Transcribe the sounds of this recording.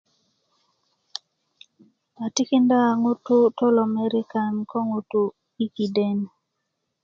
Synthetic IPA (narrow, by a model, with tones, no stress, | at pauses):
a˨ti˦ki˦nda˦˨ŋu˦tʊ˦to˦lɔ˨me˦ɾi˦ka˨nkɔ˦ŋu˦tu˨ | i˦ki˨de˦n